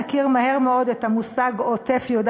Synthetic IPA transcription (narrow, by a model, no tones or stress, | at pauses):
akiʁmahe̞ʁmeo̞d̪et̪amusaɡote̞fjod